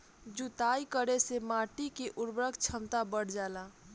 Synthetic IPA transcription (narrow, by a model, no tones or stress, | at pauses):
d͡ʒut̪aikəɾesemaʈikeʔʊɾbɾəɡt͡ʃʰəmt̪abəɽ̤d͡ʒaːla